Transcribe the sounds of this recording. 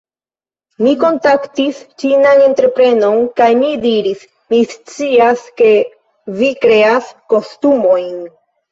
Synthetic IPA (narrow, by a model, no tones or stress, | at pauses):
miko̞ntaktist͡ʃinane̞ntɾe̞pɾe̞no̞nkajnidiɾis | mist͡siaske̞ | vikɾe̞asko̞stumo̞jn